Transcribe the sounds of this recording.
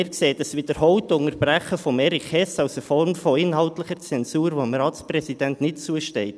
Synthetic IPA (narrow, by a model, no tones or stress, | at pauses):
ɪːɾkseːdəsʋid̥əɾhɔwtʊŋəɾb̥ræχːəfɔmɛɾiχhɛsɑʊsəfɔrmfɔɪnɦɑʊtləχəɾt͡sɛnsuːɾʋoəmrɑːtsprɛsid̥æntnɪt̚t͡suəʃtɛɪt